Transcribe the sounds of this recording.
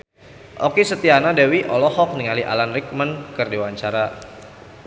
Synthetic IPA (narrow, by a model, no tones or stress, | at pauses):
ʔɔkisət̪ianadawiʔɔlɔhɔk̚niŋaliʔa̰lanrik̚mənkərdewaɲt͡ʃaɾa